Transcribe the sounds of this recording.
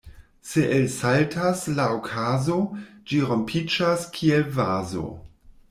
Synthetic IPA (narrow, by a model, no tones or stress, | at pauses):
se̞ʔelsaltʰaslaokʰazod͡ʒiɾo̞mpʰid͡ʒaskʰielvazo̰